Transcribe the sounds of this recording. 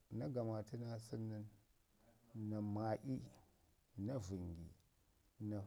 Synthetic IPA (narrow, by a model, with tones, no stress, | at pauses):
na˦ɡa˨ma˨ti˦na˦si˦nːi˦n | na˨ma˨ʔi˦ | na˦vi˨ŋɡḭ˨ | na˨